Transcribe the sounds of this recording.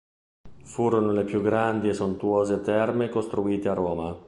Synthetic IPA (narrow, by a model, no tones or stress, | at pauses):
fuːɾonolepjuɡɾand̪iesont̪uoːzet̪ɛrmekost̪ɾuiːt̪earːoːma